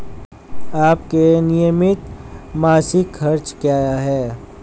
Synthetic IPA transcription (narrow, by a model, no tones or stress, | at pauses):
aːp̚kenɪjəmɪt̪maːsɪkʰɐɾt͡ʃkjaːɦɛː